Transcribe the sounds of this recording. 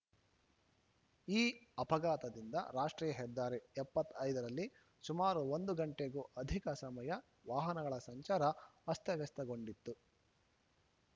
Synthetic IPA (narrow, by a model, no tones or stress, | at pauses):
iːɐpɐɡaːt̪ɐd̪ind̪ɐɾaːʂʈɾiːjɐɦɛd̪ːaːɾeɛpːɐt̪ːɐjd̪ɐɾɐlːi | sumaːɾuond̪uɡɐɳʈeɡuːʔɐd̪ʱikɐsɐmɐjɐ | ʋaːɦɐnɐɡɐɭɐsɐɲt͡ʃaːɾɐɐst̪jɐʋɐst̪ɐɡo̞ɳɖit̪ːu